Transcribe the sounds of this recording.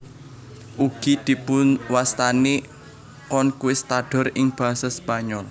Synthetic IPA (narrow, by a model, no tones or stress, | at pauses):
ʔuɡ̥i̤d̪̥i̤pʊnwast̪ane | kɔnkuwɪst̪aɖ̥ɔ̤rɪŋb̥a̤asaspaɲɔl